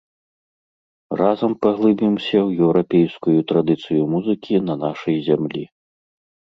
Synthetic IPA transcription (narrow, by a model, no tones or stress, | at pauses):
razɐmpɐɣlˠɨbʲimsʲɐwjɛwɾapʲejskujut̪ɾad̪ɨt̪sɨjumuzɨkʲinɐnaʂɐjzʲamlʲḭ